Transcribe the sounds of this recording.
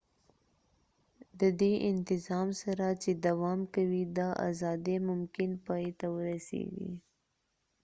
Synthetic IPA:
d̪əd̪eʔɪnt̪ɪzɑmsaɾat͡ʃed̪awɑmkawid̪ɑʔa̰zɑd̪emʊmkɪnpɑjt̪awəɾasḛɡḭ

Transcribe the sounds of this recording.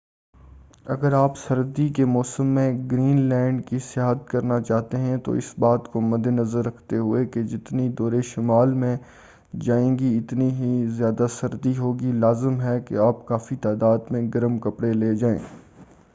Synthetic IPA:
ɐɡəɾaːpsɐɾd̪ikemɔːsəmːẽɡɾiːnlɛ̃ːɳɖkisɪjaːɦət̪kɐɾnat͡ʃaːɦt̪eɦɛ̃t̪o̰ɪsbaːt̪komɐd̪enɐzəɾːɐkʰt̪eɦʊeked͡ʒɪt̪nid̪ɔːɾeʃɪmaːlmẽ | d͡ʒaːẽːɡiɪt̪niɦizjaːd̪asɐɾd̪iɦoːɡilaːzɪmɦɛkḛaːpkaːfit̪aːd̪aːd̪mẽɡɐɾəmkɐpɽeleːd͡ʒaːḛ̃ː

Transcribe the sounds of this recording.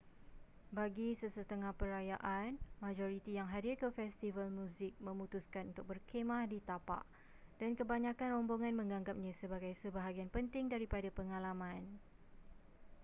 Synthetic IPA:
baɡisəsət̪əŋahpəɾajaʔanmad͡ʒoɾit̪ijaŋɦadɪrkəfɛst̪ivalmũzɪk̚mə̃mũt̪uskanunt̪ʊk̚bərkʰemãhdit̪apa̰ʔ | d̥ankəbaɲãkanrɔmboŋãnmə̃ŋɡaŋɡap̚ɲãsəbaɡajsəbaɦaɡianpənt̪ɪŋdaɾipadapəŋalamãn

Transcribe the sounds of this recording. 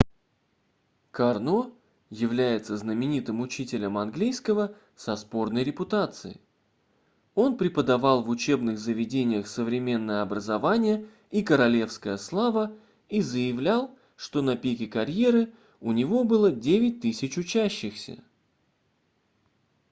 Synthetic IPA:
kɐrno̞ | jɪvlʲæjɪt̪səznəmʲɪnʲit̪ɨmʊt͡ɕitʲɪlʲəmɐnɡlʲijskəvə | sɐspo̞rnəjɾʲɪpʊt̪at̪sɨ̰ɪ̰ | o̞npɾʲɪpəd̪ɐvɑlˠvʊt͡ɕe̞bnɨɣzəvʲɪdʲenʲɪjəxsəvɾʲɪmʲe̞nːəjəɐbɾəzɐvanʲɪjə | ikəɾɐlʲe̞fskəjəslˠavə | izəjɪvlʲalˠ | ʂt̪o̞nɐpʲikʲɪkɐɾʲje̞ɾɨ | ʊnʲɪvo̞bɨlˠədʲevʲɪt̚ʲt̪ɨsʲɪt͡ɕʊt͡ɕæɕːɪxsʲə̰

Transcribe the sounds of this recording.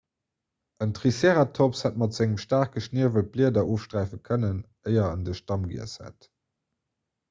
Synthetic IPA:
ʔəntʁiseːʁatʰopshæt̚mɑtz̥æŋəmʃtaːχkɡəʃniːəvət̚b̥liədɐoːfʃtʁæˑɪfəkʰənən | əɪɐə̰ndəʃtɑmɡḭəshæ̰t

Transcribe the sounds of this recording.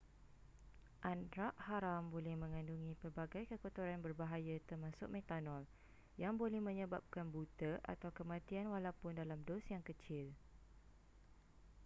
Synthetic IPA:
ʔandɾaʔhaɾambolɛhmə̃ŋãnduŋĩpərbaɡajkəkot̪uɾanbərbaɦajat̪ərmãsʊk̚mɛ̃t̪anɔl | jaŋbolɛhmə̃ɲə̃bap̚kanbut̪əʔa̰t̪awkəmãt̪ianwalapʊndalamdɔsjaŋkət͡ʃɪl

